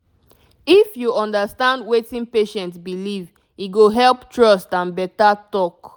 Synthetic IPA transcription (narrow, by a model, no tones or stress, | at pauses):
ifjuɔ̃ndastãndwetĩnpeʃɛ̃ntsbiliv | iɡoɦɛlptɹɔstãnbɛtatɔk